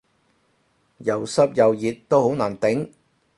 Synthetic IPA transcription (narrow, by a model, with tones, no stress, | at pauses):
jɐ˨˩wsɐ˥p̚jɐ˨wjiː˨t̚t̪ːo˥who˨˥wnaː˨˩nt̪ɪ˨˥ŋ